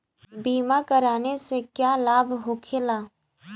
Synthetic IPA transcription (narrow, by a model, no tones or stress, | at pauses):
biːmakəɾaːnesekjaːlaːbʱɦoːkʰelaː